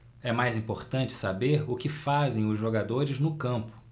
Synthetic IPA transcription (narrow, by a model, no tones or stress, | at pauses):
ɛmajzĩpoɾt̪ɐ̃nt͡ʃɪ̥sabeɾʊkɪfazẽj̃ʊzʒoɡad̪oɾɪznʊkɐ̃mpʊ̥